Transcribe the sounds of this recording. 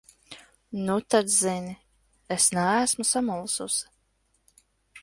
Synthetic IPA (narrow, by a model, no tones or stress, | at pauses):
nut̪ad̪zini | esnææsmusamulˠsus